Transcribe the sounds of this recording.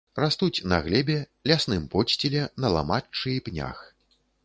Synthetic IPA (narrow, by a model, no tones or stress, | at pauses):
rast̪ut͡sʲnɐ̰ɣlʲɛbʲɛ | lʲasnɨmpɔt͡ʃʲt͡sʲilʲɛnɐlˠa̰mat͡ʂːɨipnʲa̰x